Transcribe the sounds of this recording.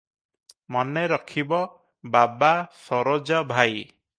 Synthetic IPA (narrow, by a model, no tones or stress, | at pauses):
mɔneɾɔkʰibɔ | babasɔɾɔd͡ʒɔbʱaj